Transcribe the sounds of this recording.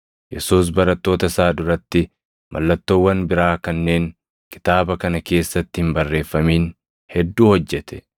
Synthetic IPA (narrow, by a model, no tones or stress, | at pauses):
jɛsuːs̬bɐɾɐt̪ːo̞ːt̪ɐsaːd̪ʊɾɐt̪ːɪ | mɐ̰lːɐt̪ːoːwːɐnbɪɾaːkɐnːe̞ːŋ | kɪ̥t̪aːbɐkɐnɐke̞ːsːɐt̪ːɪhɪmbɐrːe̞ːfːɐmiːn | hɛd̪ːuːhɔd͡ʒːɛt̪ɛ̥